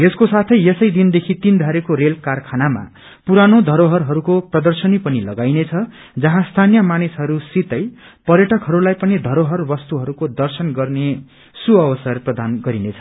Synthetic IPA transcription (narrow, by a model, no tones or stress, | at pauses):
eskosat̪ʰʌjesʌjd̪ind̪ekʰit̪ind̪ʱaɾekoɾelkarkʰanama̰ | puɾanod̪ʱʌɾoɦʌrɦʌɾukoprʌd̪ʌrsʌnipʌnilʌɡajnet͡sʰʌ | d͡zʌɦãst̪ʰanijʌmanisɦʌɾusit̪ʌj | pʌrjʌʈʌkɦʌɾulajpʌnid̪ʱʌɾoɦʌrbʌst̪uɦʌɾukod̪ʌrsʌnɡʌrne | suʌbʌsʌrprʌd̪anɡʌɾinet͡sʰʌ̥